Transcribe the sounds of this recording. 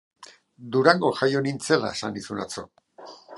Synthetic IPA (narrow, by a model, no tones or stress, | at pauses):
d̪uɾaŋɡo̞ʝajo̞nint͡se̞la̰esanisuna̰t͡so̞̰